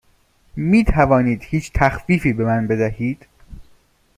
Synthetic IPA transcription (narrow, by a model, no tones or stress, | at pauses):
miːt̪ʰævɒːniːd̪hiːt͡ʃʰt̪ʰæxfiːfiːbe̞mænbe̞d̪æhiːd̪̥